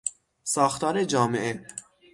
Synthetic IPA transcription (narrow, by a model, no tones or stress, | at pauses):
sɒːxt̪ʰɒːɾed͡ʒɒːmeʔe